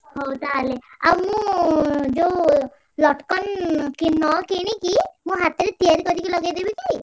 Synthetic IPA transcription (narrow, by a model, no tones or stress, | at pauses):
ɦɔwt̪alea̰wumũ | d͡ʒo | lɔʈkɔnkinɔkenekimũɦat̪iɾet̪ijaɾikɔd̪ikilɔɡajd̪ibit͡ʃʰi